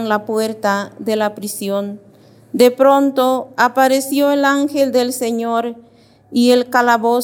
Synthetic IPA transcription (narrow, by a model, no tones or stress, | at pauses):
ŋlapweɾt̪aðelapɾisjon | d̪epɾõnt̪oapaɾesjoelaŋxeld̪elseɲoɾ | ielkalaβo